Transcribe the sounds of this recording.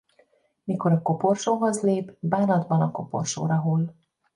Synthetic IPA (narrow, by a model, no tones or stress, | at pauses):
miko̞ɾɒko̞porʃoːɦo̞zleːbbaːnɒd̪bɒnɒko̞po̰rʃo̰ːɾɒɦoːl